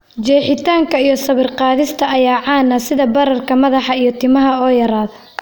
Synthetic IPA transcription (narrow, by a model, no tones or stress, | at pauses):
d͡ʒɛːħɪt̪ʰaːŋkʰɐijɞsɐβɪrqɑːðɪst̪ʰɐɐjaːʕɑːnːɐsɪðɐbɐɾɐrkʰɐmɐðɑħɑijɞt̪ʰɪmɐɦɐɔːjɐɾaːðɐ